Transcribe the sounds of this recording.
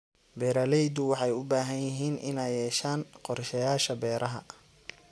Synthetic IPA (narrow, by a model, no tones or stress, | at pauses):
bɛːɾɐlɛjd̪ʊwɑħɑjʊbaːɦɐnjɪɦiːnʔɪ̰nɛjɛːʃaːnqɔrʃɛjaːʃɐbɛːɾʔɐɦɐ̰